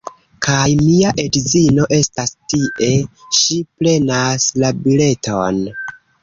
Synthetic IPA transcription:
kʰajmiaʔe̞dizino̞ʔe̞stastiʔe̞ʃiple̞naslabile̞tʰon

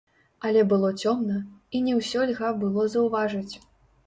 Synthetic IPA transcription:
ɐlʲɛbɨlˠɔt͡sʲɔmnɐinʲɛwsʲɔlʲɣabɨlˠɔzɐwvaʐɐt͡sʲ

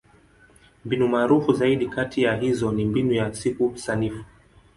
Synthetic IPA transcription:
mbinumaːɾufuzaiɗikatʰijaɦizɔnimbinujasikusanifu̥

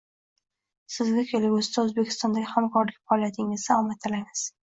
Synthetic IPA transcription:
sɪzɡʲakʲʰelɪbɵzt̪ʰaɵzbekʲʰɪ̥st̪ɒnd̪aɡʲɪhamkʰɒɾlɪkʲfaɒlˠjat̪ʰɪŋɪzd̪aɒmat̪ʰːɪlaŋɪz̥

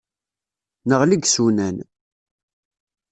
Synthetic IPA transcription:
nəʁliɡsunæn

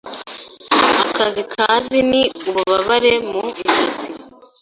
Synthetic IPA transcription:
akazikʰaːziniuβuβaβaɾemuiʒuzi

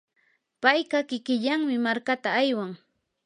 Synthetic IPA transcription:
pajɢɑkɪkɪʎaŋmɪmaɾkat̪aːjwaŋ

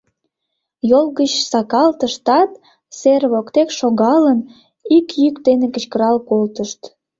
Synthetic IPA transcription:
jolɣət͡ɕsɑkɑlt̪əʃt̪ɑt̪ | serβokt̪ekʃoɣɑlən | ikjykd̪enekət͡ɕkəɾɑlkolt̪əʃt̪

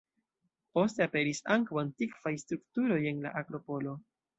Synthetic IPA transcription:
po̞ste̞ape̞ɾisaŋkawantikv̥ajstɾuktuɾo̞je̞nla̰ʔaɡɾo̞po̞lo̞

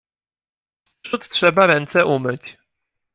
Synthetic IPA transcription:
ʂut̪tʂɛbaɾɛnt̪sɛʔumɘt͡ɕ

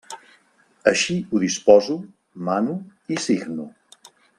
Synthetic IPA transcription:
əʃiuðispɔzu | manuisiɡnṵ

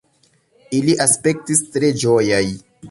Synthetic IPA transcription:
iliʔaspe̞k̚tistɾe̞d͡ʒojaj

